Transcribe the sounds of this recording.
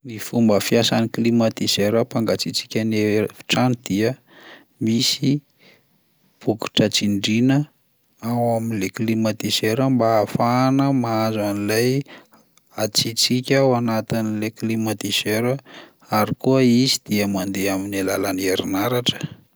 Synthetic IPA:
nifumbəfiasaniklimat̪izeɾəpaŋɡat͡sit͡si̥kʲənefi̥ʈ͡ʂanid̪̥iə | misi | b̥uki̥ʈ͡ʂət͡siɳɖ͡ʐinə | awaminleklimat̪iseɾəmbaːfanəmaazanilaj | at͡sit͡sikʲawanat̪inileklimat̪izeɾə | aɾikuəizid̪̥iəmand̪eaminelalaneɾinaɾaʈ͡ʂə̥

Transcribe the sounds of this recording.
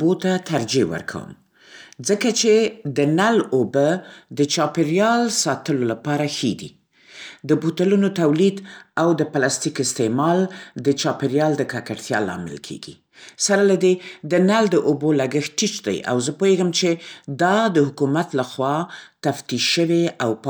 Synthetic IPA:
bot̪at̪aɾd͡ʒewə̰ɾkʰa̰wə̰m | zəkat͡ʃed̪ənalobəd̪ət͡ʃɑpɪɾjɑlsɑt̪əlolapɑɾaxed̪ḭ | d̪əbut̪alunot̪awlid̪awd̪əpalɑst̪ikɪst̪emɑld̪ət͡ʃɑpɪɾjɑld̪əkakaɽt̪jɑ̰lɑ̰mɪ̰lkʰḛɡḭ | saɾalad̪ed̪ənald̪əʔobolaɡəxʈit͡ʃd̪a̰ja̰wzəpoheɡəmt͡ʃed̪ɑd̪əhʊkumat̪laxwɑt̪aft̪iʃʃəweawp

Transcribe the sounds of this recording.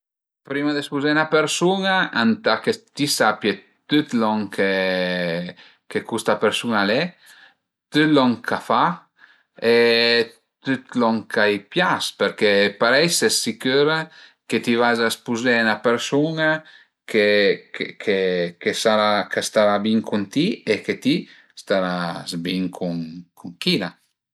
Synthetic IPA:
pɾimad̪espuzenapeɾsunaant̪aket̪isapje | t̪yt̪lɔŋkʰe | kekust̪apeɾsunalɛ | t̪yt̪lɔŋkʰafa | e | t̪yt̪lɔŋkʰajpjaspeɾkepaɾɛsesikøɾeket̪ivazaspuzenapeɾsuŋa | kekekʰekesaɾakast̪aɾabiŋkʰunt̪ieket̪i | st̪aɾazbiŋkʰuŋkuŋkila

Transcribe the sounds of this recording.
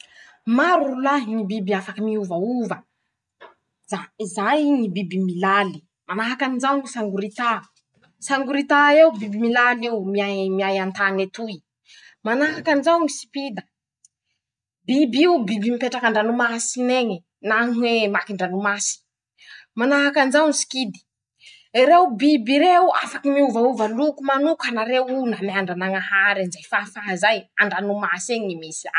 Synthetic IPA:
maɾulaɦinibibiafakəmiuvauvə | z̥aizajnibibimilali | manaɦakanizaŋisaŋɡuɾit̪a | saŋɡuɾit̪aewbibimilaliwmiamiajant̪anet̪ui | manaɦakanzaŋisi̥pid̪ə | bibiubibimipeʈ͡ʂakaɳɖ͡ʐanumasineɲi | naŋwemakiɳɖ͡ʐanumasi̥ | manaakanzawnisi̥kid̪i̥ | iɾewbibiɾewa̰fakimiuvauvalukumanukanaɾewunamiaɳɖ͡ʐanaŋahaɾanzajfafaɦazajaɳɖ͡ʐanumaseŋnimisi̥a

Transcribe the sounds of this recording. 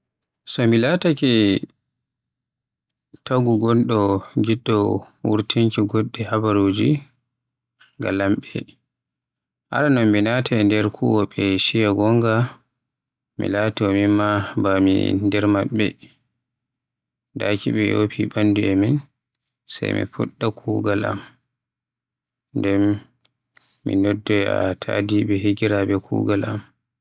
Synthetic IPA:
sɔmilatakɛ | taɡuɡɔnɗɔɡidːɔ | wṵɾtiŋkiɡɔɗdːɛhabaɾod͡ʒḭ | ɡa̰lamɓɛ | ʔa̰ɾanɔmminatʰandɛɾkʰṵwɔɓɛʃijaɡɔŋɡa | mḭlatɔmimabamḭndɛɾmaɓːɛ̰ | dakiɓɛjo̰pʰibanduɛmin | sa̰jmḭfṵɗːakʰuːɡala̰m | ndɛm | ḭnodːɛa̰tʰa̰dibɛɦiɡiɾaɓɛkʰṵːɡalʔam

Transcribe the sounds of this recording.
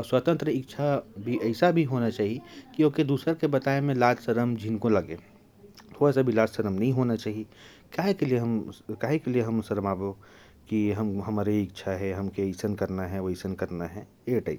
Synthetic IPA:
swat̪ə̃nt̪ɾəɪkt͡ʃʰabʱiɛɪsabʱiɦoːnat͡ʃaːɦiekioːked̪uːsɾəɾkebɐt̪aːemẽlaːd͡ʒsəɾəmd͡ʒʱinkõlɐɡeː | oɛːsabʱilaːd͡ʒsəɾəmnɐɦĩɦoːnat͡ʃaːɦie | kaːɦekelieɦɐmkaːɦekelieɦɐmsɐɾəmaːbo | kiɦɐmɦɐmaːɾeɪk̚t͡ʃʰaɦɛɦɐmkeisənkɐɾnaɦɛʋɐisənkɐɾnaɦɛ | eʈaɪp

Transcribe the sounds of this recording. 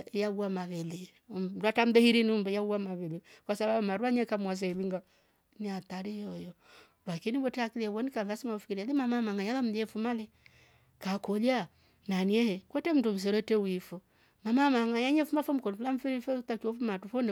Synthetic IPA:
jaβuamaβɛli | ɾatam̩bɛhiɾiniumbɛjauamaβɛlikwasaβaumaɾuaɲɛkamwas̬ɛiliŋɡa | niataɾijɔjɔ | lakiniβɔtɛakilɛβɔnikanðasimaufikiɾialimamamaŋajalam̩jɛfumalɛ | kakɔla | naniɛhɛkwɛtɛm̩tum̩s̬ɛɾɛtɛwifɔ | mamamaŋajaɲɛfumafɔm̩kɔnifulam̩fiɾifɛtat͡ʃɔfumatufɔnɛ

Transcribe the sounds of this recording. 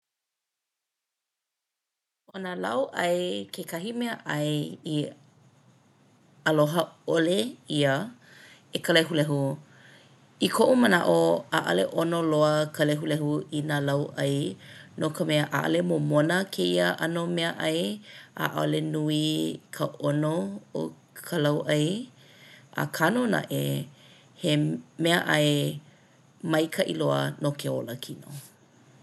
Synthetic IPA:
ʔonalɐ̰wʔɐjkʰekɐɦimeəʔɐji | əloɦəoleiə | ekəleɦulɛɦu | ikʰoʔuməna̰ʔoaʔɐ̰lḛʔonoloəkəleɦulɛɦuinalɐwʔɐjnokəmɛəʔa̰ʔɐ̰lemomonəkʰeiəʔɐnomeəʔɐja̰ʔalenuikʰəʔonoo̰ | kʰəlɐwʔɐj | ʔa̰kʰanona̰ʔe | hemeəʔɐe | mɐjkʰɐʔḭloə̰nokʰeo̰ləkʰino̰

